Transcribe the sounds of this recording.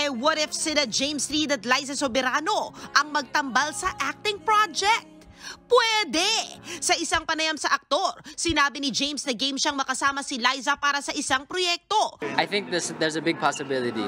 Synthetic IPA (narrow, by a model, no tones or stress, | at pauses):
ʔɛwɐɾɪfsɪnɐd͡ʒejmsɾid̪ɐt̪lajzɐsobɛɾaːno̞ʔɐŋmɐɡ̚t̪ɐmbalsɐʔak̚t̪ɪŋpɹad͡ʒɛk̚t̪̚ | pwɛd̪ɛsɐʔɪsaŋpɐnɐjamsɐʔɐk̚t̪o̞ɾsɪnaːbɪnɪd͡ʒejmsd̪ɐɡejmʃaŋmɐkɐsaːmɐsilajzɐpaːɾɐsɐʔɪsaŋpɾojɛk̚t̪o̞ʔajθɪ̃ŋk̚ðɪsd̪ɛɹzəbɪɡ̚pʰasɪbɪlˠɪt̪ḭ